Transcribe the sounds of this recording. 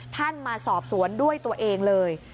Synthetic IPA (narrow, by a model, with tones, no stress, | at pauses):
t̪ʰa˥˩nmaː˧sɔː˨˩p̚su˩˦əndu˥˩əjt̪u˧ɐʔeː˧ŋlɤː˧j